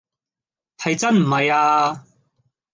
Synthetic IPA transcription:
hɐ˨jt͡sɐ˥nm̩˨˩hɐ˨jaː˧

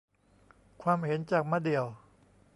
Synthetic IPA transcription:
kʰwaː˧mhe˩˦nt͡ɕaː˨˩k̚ma˧˥di˨˩əw

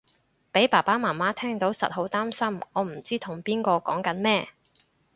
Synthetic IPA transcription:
pe˨˥jpaː˨˩paː˥maː˨˩maː˥t̪ʰɛː˥ŋt̪o˨˥wsɐ̰˨t̚ho˨˧˥wt̪aː˥msɐ˥mŋɔː˨˧m̩˨˩t͡siː˥t̪ʰʊ˨˩ŋpiː˥nkɔː˧kɔː˨˥ŋkɐ˨˥nmɛː˥

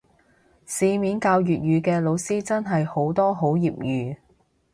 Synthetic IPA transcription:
siː˧miː˨˥nkaː˧wjyː˨t̚jyː˨˧kɛː˧lo˨˧wsiː˥t͡sɐ˥nɦɐ˨jho˨˥wt̪ɔː˥ɦo˨˥wjiː˨p̚jyː˨

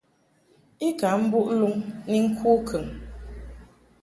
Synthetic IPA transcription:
i˦ka˨˦m̩˦bu˦ʔlu˦ŋni˦ŋ̩˦kʰuː˦kʰə˨ŋ

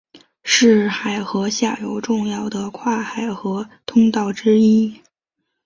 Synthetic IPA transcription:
ʂɻ̩˥˩xa˨˩ɪxɤ˧˥ɕja˥˩jo˧˥ʊʈ͡ʂʊ˥˧ŋjɑ˥˩ʊd̪ə˩kʰwa˥˩xa˨˩ɪxɤ˧˥t̪ʰʊ˥ŋt̪ɑ˥˩ʊʈ͡ʂɻ̩˥i˥

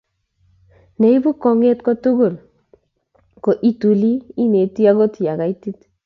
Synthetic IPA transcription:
ne˨˦i˦bu˦kɔ˨ŋe˦tkɔ˦tu˦ɡo˨l | ko˨ʔi˦tu˨li˦i˦ne˨ti˦a˦kɔ˦ti˨a˨ka˨˦i˦ti˦t

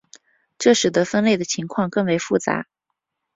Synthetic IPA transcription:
ʈ͡ʂɤ˥˩ʂɻ̩˨˩d̪ɤ˧˥fə˥nle˥˩ɪd̪ə˩t͡ɕʰi˧˥ŋkʰwɑ˥˧ŋkɤ˥˩ŋwe˧˥ɪfu˥˩t͡sa̰˧˥

